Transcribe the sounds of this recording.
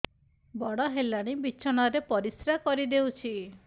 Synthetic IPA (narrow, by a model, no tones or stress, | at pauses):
bɔɽɔɦelaɽ̃ibiːt͡ʃʰɔɽ̃ɔɾepɔɾisɾakɔɾid̪ewt͡ʃʰi